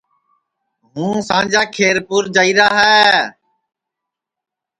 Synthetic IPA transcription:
ɦũːsãːd͡ʒaːkʰeːɾpʊːɾd͡ʒaːiːɾaːɦɛː

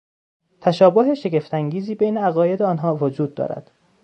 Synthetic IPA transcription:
t̪ʰæʃɒːboɦeʃe̞ɡʲe̞ft̪ʰæŋɟiːziːbejneæɣɒːje̞d̪eɒːnɦɒːvod͡ʒuːd̪̚ːɒ̰ːɾæ̰d̪̥

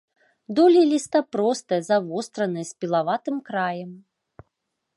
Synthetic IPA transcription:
d̪ɔlʲilʲist̪ɐpɾɔst̪ɐjɐzavɔst̪ɾɐnɨjɛsʲpʲilˠavat̪ɨmkɾajɛm

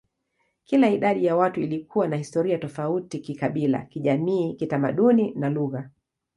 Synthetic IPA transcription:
kilaiɗaɗijawatuilikʰuwanahistɔɾiatɔfautikikaɓila̰kiʄamiːkitama̰ɗuninaluɣa

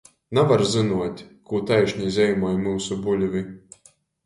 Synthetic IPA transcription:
navaɾzɨnuɔt̪ʲkuːt̪ajʃʲnʲizʲɛjmajmɨwsubulʲvʲɨ

